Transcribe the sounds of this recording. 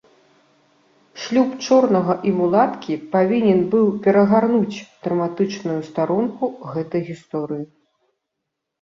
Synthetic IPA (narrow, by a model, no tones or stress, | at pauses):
ʂlʲupt͡ʂɔrnɐɣɐʔimulˠat̪kʲipavʲinʲɛnbɨwpʲɛɾɐɣarnut͡sʲd̪̥ɾɐmat̪ɨt͡ʂnujust̪aɾunkuɣɛt̪ɐjɣʲist̪ɔɾɨji